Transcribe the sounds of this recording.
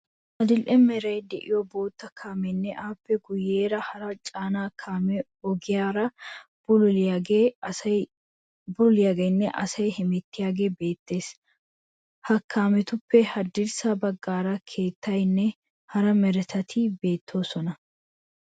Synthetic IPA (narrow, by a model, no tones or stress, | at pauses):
ʔɐd̪ɪlʔɛmɛɾɐjd̪ɛʔɪ̰jɔbo̞ːt̪ːɐkʰaːmɛnːɛʔaːpːɛɡʊje̞ːɾɐhɐɾɐt͡ʃʼaːnaːkʰaːmɛ | ɔɡɪjaːɾɐ | bʊɪaɡe | bʊʊlɪjaːɡɐjnːɛʔɐsɐjhɛmɛt̪ːɪjaːɡe̞ːbe̞ːt̪ːe̞ːs | hɐkʰːaːmɛt̪ʊpːɛhɐd̪ɪɾsabɐɡːaːɾɐkʰe̞ːt̪ːɐjnːɛ | hɐɾɐmɛɾɛt̪ɐt̪ʰɪbe̞ːt̪ʰːo̞ːsɔnɐ